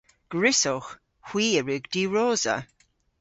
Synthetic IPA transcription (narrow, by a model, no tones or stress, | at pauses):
ɡ̥ɹɪsɔx | hw̥iːəɹʉɡd̥iːɹɔːzə̰